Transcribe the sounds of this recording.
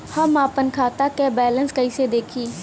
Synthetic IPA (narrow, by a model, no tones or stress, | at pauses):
həmaːpənkʰaːt̪aːk̪ɛːbɛːlənskəiːseːd̪eːkʰiː